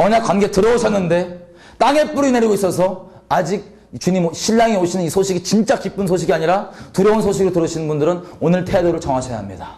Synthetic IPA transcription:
ʌɲakwanɡe̞tɯɾʌuɕʰʌnːɯnde̞ | t͈aŋe̞p͈uɾine̞ɾiɡois͈ʌs̬ʰʌ | ad͡ʑiɡ̚ | t͡ɕuɲimɕʰiʎːaŋeoɕʰinɯnisʰoɕʰiɡit͡ɕint͡ɕ͈akip͈ɯnsʰoɕ̬ʰiɡiaɲiɾatuɾjʌunsʰoɕ̬ʰiɡɯɾɭtɯɾɯɕʰinɯnbundɯɾɯnonɯɭtʰe̞doɾɯɭt͡ɕʌŋaɕʰʌjaɦamɲida

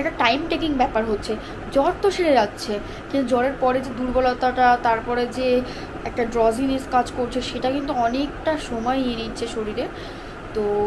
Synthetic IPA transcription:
ɛk̚ʈaʈajmʈekiŋbɛpaɾɦotːɕʰe | d͡ʑɔɾt̪oʃeɾeɾatːɕʰe | kint̪ud͡ʑɔɾeɾpɔɾed͡ʑed̪uɾbolɔt̪aʈat̪aɾpɔɾed͡ʑe | ɛk̚ʈaɖɾɔzineskad͡ʑkoɾt͡ɕʰeʃeʈakint̪uɔnekʈaʃomɔeienitːt͡ɕʰeʃoɾiɾeɾ | t̪o

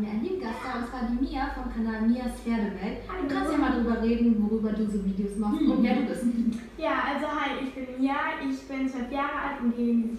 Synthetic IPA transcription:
miːɐa̰ndiːmɡast̚ɡ̥aːbəsv̥aːdiːmiːɐfɔnkʰanaːlmiːɐsfɛːɐdəvɛltakʰanszimaːldʁyːbɐʁeːdn̩voʁyːbɐduːzoːviːdeosmaχstvohɛːɐduːbɪstnɪç | jaːʔalzoɦaɪɪçb̥ɪnjaʔɪçb̥ɪnt͡svœlfjaːʁəʔa̰ltʊnɡ̥eːn

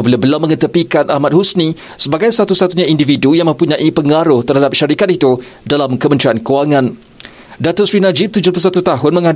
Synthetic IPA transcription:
bilabəlawmə̃ŋət̪əpikanʔahmat̪̚husni | səbaɡajsat̪usat̪uɲãindividujaŋmə̃mpuɲãʔipəŋaɾʊht̪ərhadap̚ʃaɾikat̪̚it̪udalamkəmənt̪ɾiankuaŋãn | dat̪ʊʔ̪sɾinad͡ʒɪp̚t̪ud͡ʒʊpəs̬at̪ut̪aɦʊnmə̃ŋa

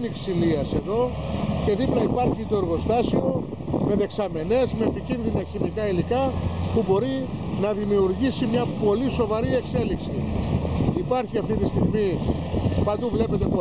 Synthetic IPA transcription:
niksiliɐse̞ðo̞ce̞ðiplɐipɐɾçit̪oeɾɣo̞st̪ɐsio̞ | me̞ðe̞ksɐme̞ne̞zmepicinðinɐçimikɐilikɐpubo̞ɾinɐðimiuɾʝisimɲɐpo̞liso̞vɐɾie̞kse̞liksiː | pɐɾçiɐft̪it̪ist̪iɣmi | pɐnd̪uvle̞pet̪e̞po

